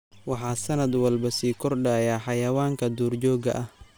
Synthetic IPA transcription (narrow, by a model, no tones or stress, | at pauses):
wɑħɑːsɐnɐd̪wɐlbɐsiːkʰɔrɖajaːħɑjɐwaːŋkʰɐd̪uːrt͡ʃɔːɡɐ̰ʔɐh